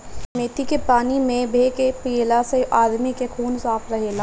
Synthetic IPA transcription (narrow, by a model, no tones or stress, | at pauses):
meːt̪ikepaːnimẽbʱeːkepiːlaseʔaːd̪mikexʰuːnsaːfʰɾɐɦela